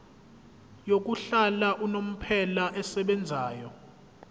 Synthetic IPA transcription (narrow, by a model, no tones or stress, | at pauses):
jok̬uɬalaʔunom̩pʰɛlaʔɛsɛɓɛnd͡zʱaːjɔ